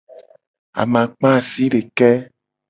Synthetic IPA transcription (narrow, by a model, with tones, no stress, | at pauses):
a̰˨mã˨k͡pã˦˨si˦ɖe˨kɛ˦